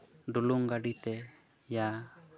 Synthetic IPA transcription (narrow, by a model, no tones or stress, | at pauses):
ɖuluŋɡaɖit̪ɛ | ja